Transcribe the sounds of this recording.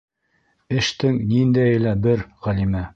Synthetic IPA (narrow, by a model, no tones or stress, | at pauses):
ɘ̆ʃt̪ɘŋnind̪æjɘ̆læbɘɾʁælimæ